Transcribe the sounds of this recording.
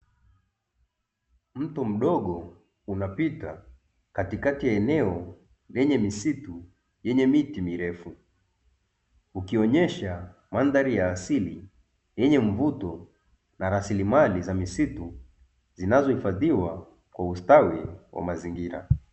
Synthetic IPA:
m̩tum̩ɗɔɠɔ | unapita | katikatijaɛnɛɔ | lɛɲɛmisitu | jɛɲɛmitimiɾɛfu | ukiɔɲɛʃamandaɾijaːsili | jɛɲɛɱvutɔ | naɾasilimalizamisitu | zinazɔhifaðiwa | kwaustawiwa̰maziŋɡiɾa̰

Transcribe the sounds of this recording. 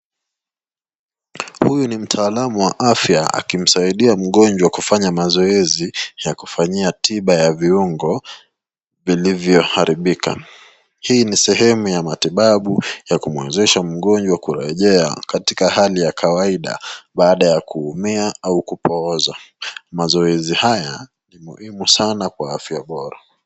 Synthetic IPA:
hujunim̩tʰaːlamuwaʔafjaa̰kim̩saiɗiam̩ɠɔnd͡ʒwakufaɲamazɔɛzijakufaɲiatʰiɓajaviuŋɡɔ | vilivjɔhaɾiɓika̰ | hiːnisɛɦɛmujamatiɓaɓujakumwɛzɛʃam̩ɠɔnd͡ʒwakuɾɛʄɛa̰katikahalijakʰawaiɗa̰ɓaːɗajakuːmiaaukupɔːzamazɔɛzihaja | nimṵhimusanakwaafjaɓɔɾa̰

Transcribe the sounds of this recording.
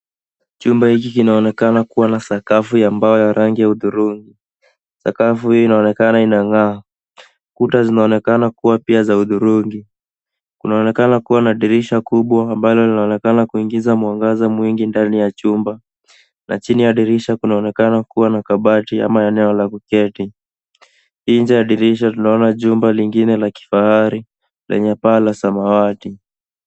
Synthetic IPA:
t͡ʃumbahikikinaɔnɛkanakuwanasakafujambaɔjaɾaŋɡijauðuɾuŋɡi | sakafuhijɔinaɔnɛkanainaŋaː | kutazinaɔnɛkanakuwapiazauðuɾuŋɡi | kunaɔnɛkanakuwanaɗiɾiʃakuɓwaːmbalɔlinaɔnɛkanakuiŋɡizamwaŋɡazamwiŋɡindanijat͡ʃumba | nʔa̰t͡ʃinijaɗiɾiʃakunaɔnɛkanakuwanakaɓatia̰maɛnɛɔlakukɛti | hiːɲd͡ʒaaɗiɾiʃ̬atunaɔnaʄumbaliŋɡinɛlaki̥fahaɾi | lʔɛ̰ɲɛpaːlasamawati

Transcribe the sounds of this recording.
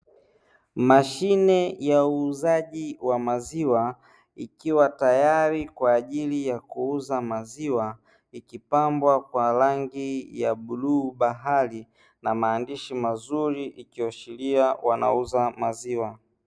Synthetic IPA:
maʃinɛjauːzaʄiwamaziwa | ikiwatajaɾikwaːʄilijakuuzamaziwa | ikipambwakwalaŋɡijaɓuluːɓaɦali | namaːndiʃimazuɾiʔikiɔʃiliawana̰uzamaziwa

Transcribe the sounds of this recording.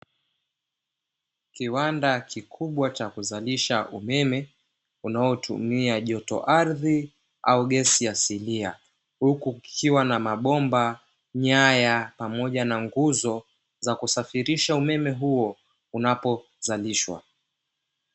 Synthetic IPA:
kiwandakikʰuɓwat͡ʃakuzaliʃaumɛmɛ | unaɔtʰṵmiaʄɔtɔ̰ʔaɾði | auɠɛsijasilia | hukukʰiwanamaɓɔmba | ɲajapamɔʄanaŋɡuzɔ | zakusafiɾiʃaumɛmɛɦuɔ | unapɔ | zaliʃwa̰

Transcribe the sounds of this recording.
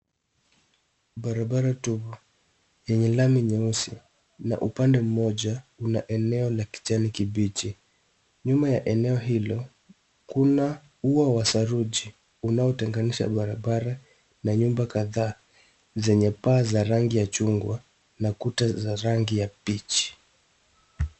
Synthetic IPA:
ɓaɾaɓaɾatuvɔ | jɛɲɛlamiɲɛusi | na̰ʔupandɛm̩mɔʄaunaʔɛnɛɔlaki̥t͡ʃanikiɓit͡ʃi | ɲumajaʔɛnɛɔɦilɔ | kuna | uawasaɾuʄi | unaɔtɛŋɡaniʃa̰ɓaɾaɓaɾa | naɲumbakaðaː | zɛɲɛpaːzaɾaŋɡijat͡ʃuŋɡwa | nakutazaɾaŋɡijapit͡ʃi̥

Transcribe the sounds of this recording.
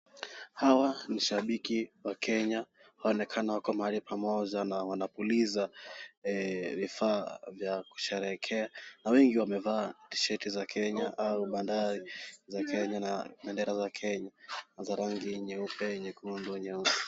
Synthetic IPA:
hawaniʃaɓikiwakʰɛɲa | haɔnɛkʰanawakɔamahalipʰamɔʄanawanapulizaɛvifaːvjaku̥ʃɛɾɛkʰɛanawɛŋɡiwamɛvaːti̥ʃɛtizakʰɛɲaʔauɓandaɾizakʰɛɲanaɓɛndɛɾazakʰɛɲaazaɾaŋɡiɲɛupɛɲɛkunduɲɛupɛ

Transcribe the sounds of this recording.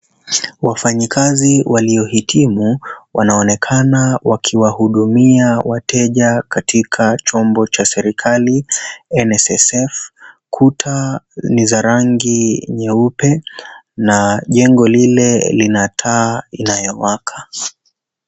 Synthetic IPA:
wafaɲikaziwʔaliɔhitʰimuwʔanaɔnɛkʰanawakʰiwahuɗumiawatɛʄakatikʰat͡ʃɔmbɔt͡ʃasɛɾikʰaliɛnɛsɛsɛfkʰutʰanizaɾaŋɡiɲɛupɛ | naʄɛŋɡɔlilɛlinatʰainajɔwakʰḁ

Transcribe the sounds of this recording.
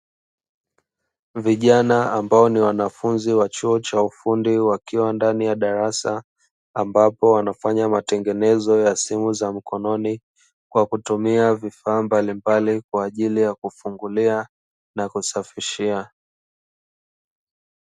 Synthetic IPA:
viʄanaambaɔniwanafunziwat͡ʃuɔt͡ʃaufundiwakiwandanijaɗaɾasa | ambapɔwanafaɲamatɛŋɡɛnɛzɔjasimuzam̩kɔnɔni | kwakutumiavifaːmbalimbalikwaːʄilijakufuŋɡulia | nakusafiʃia

